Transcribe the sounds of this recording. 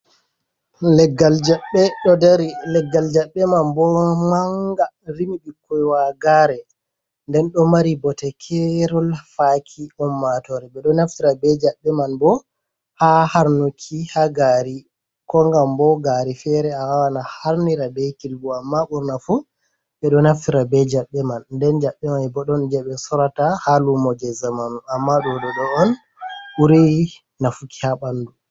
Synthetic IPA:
lɛɡːald͡ʒaɓɛɗɔdaɾilɛɡːald͡ʒaɓːɛmanbɔmaŋɡaɾimiɓikʰːɔjwaɡaːɾɛ | ndɛnɗɔmaɾibɔtɛkʰɛɾɔlfakʰiɔmːatɔɾɛbɛɗɔnaftiɾabɛd͡ʒaɓːɛmanbɔ | hahaɾnukʰihaɡaɾi | kɔŋɡambɔɡaɾifɛɾɛawawanahaɾniɾabɛkilbuamːaʔuɾnafu | ɓɛɗɔnaftiɾabɛd͡ʒaɓːɛmandɛnd͡ʒaɓːɛmanbɔɗɔnd͡ʒɛɓɛsɔɾatahalumɔd͡ʒɛzamanuamːaɗɔdɔɗɔːn | uɾi | nafuki̥haɓanːdu

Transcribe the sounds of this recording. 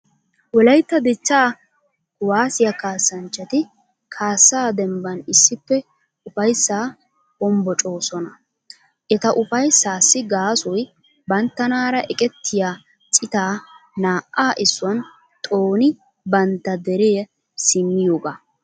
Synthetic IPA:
wɔlɐjt̪ːɐd̪ɪt͡ʃːaː | waːsɪjɐkaːsːɐnt͡ʃːɐt̪ɪ | kʰaːsːaːd̪ɛmbɐnɪsːɪpːɛ | ʊfɐjsːaː | bɔmbɔt͡ʃʼo̞ːsɔnɐ | ʔɛt̪ɐʔʊfɐjsːaːsːɪɡaːsɔj | bɐnt̪ːɐnaːɾɐʔɛkʼɛt̪ːɪjaː | t͡ʃʼɪt̪aːnaːʔːaːʔɪsːʊwɐn | t̪ʼoːnɪ | bɐnt̪ːɐd̪ɛɾeː | sɪmːɪjoːɡa

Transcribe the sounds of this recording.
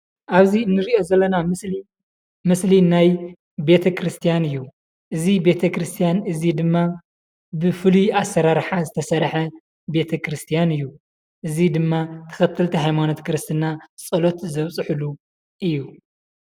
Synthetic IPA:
ʔaβziɨnːɨɾiʔo̞zɐlːɐnai | mɨslinaj | be̞t̪ʰɐkɾɨst̪ʰijanɨjːu | ʔɨzibe̞t̪ʰɐkɾɨst̪ʰijanɨzid̪ɨmːa | bɨfɨlujasːɐɾaɾħazɨt̪ʰɐsɐɾħɐ | be̞t̪ʰɐkʰɾɨst̪ʰijanɨjːu | ʔɨzid̪ɨmːat̪ʰɐ̥xɐt̪ʰːɨlt̪ʰiɦajmano̞t̪kʰɨɾɨst̪ʰɨnat͡sʼɐlo̞t̪zɐβt͡sʼɨħɨlu | ʔɨjːu

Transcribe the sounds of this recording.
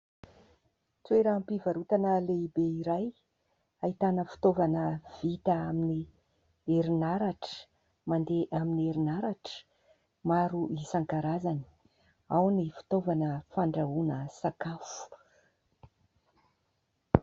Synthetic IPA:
t͡sweɾampivaɾut̪anəleibeiɾaj | ait̪anəfi̥t̪ovanəv̥it̪əamini | eɾinaɾaʈ͡ʂə̥ | mand̪eʔaminieɾinaɾaʈ͡ʂə̥ | maɾuʔisaŋkaɾazani̥ | awnifi̥t̪ovanəfaɳɖ͡ʐaunəsakafu̥

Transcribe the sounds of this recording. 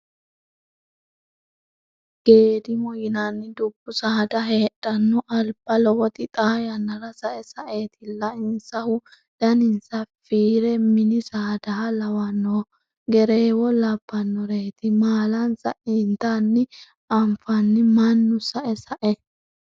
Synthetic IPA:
ɡ̥e̞ːd̪ɪmɔjɪnanːɪd̪ʊbːʊsɐhd̪ɐɦe̞ːɗːɐnːɔʔɐlb̥ɐlɔwɔt̪ɪt̪ʼaːjɐnːɐɾɐsɐʔɛsɐʔe̞ːt̪ɪlːɐɪnsɐhʊ | d̪̥ɐnɪnsɐfiːɾɛmɪnɪsɐːd̪ɐɦɐlɐwɐnːɔː | ɡɛɾeːwɔlɐb̥ːɐnːɔɾeːt̪ɪmaːlɐnsɐ̰ʔɪnt̪anːɪ | ʔɐmfɐnːɪmɐnːʊsɐʔɛsɐʔɛ

